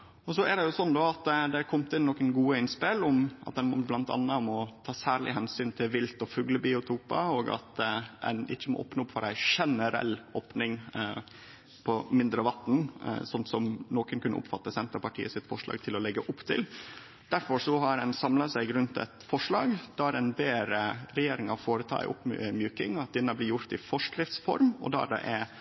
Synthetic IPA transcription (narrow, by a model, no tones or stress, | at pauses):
ɔsɔæɖɛjʊsɔnd̪ɔɑt̪d̪ɛkʰɔmt̪ɪnːɔkənɡuːəɪnspɪlɔmʔɑ̰t̪̚d̪ɛnmɔblɑnt̪ɑ̰nːəɔmɔt̪ʰɑːsæːɭɪ̰ɦɛnsyːnt̪ʰɪlʋɪlt̪ɔfʉɡləbiʊt̪ʰuːpɑoːɡɑ̰t̪ɛ̰nɪ̰t͡ʃːəmɔ̰ʔɔ̰ːpnəʊpfɑɾæɪʂɛnəɾɛ̰lːoːpnɪŋ | pʰɔmɪnd̪ɾəʋɑt̪n̩sɔnt̪sɔmnoːkənkʉnːə̰ʔʊ̰pfɑt̪ːəsɛnt̪əpɑʈʰḭːəsɪt̪fɔʂɭɑ̰ːɡ̚t̪ʰɪlɔlɛɡːəʔʊpt̪ʰɪ̰l | d̪̥æɾfɔɾsɔɦɑɾɛnsɑmlɑsæɪɾʉnt̪ɛ̰t̪fɔʂlɑːɡd̪ɑɾɛnbeːɾəɾɛjeːɾɪŋɑfoːɾət̪ʰɑ̰ːɪ̰ʔʊ̰pmjʉːkɪŋɑt̪̚d̪ɪnːəblɪjʊɾt̪ɪfɔʂkɾɪft̪sfɔ̰ɾmɔ̰d̪ɑ̰ɖɛ̰ʔɛ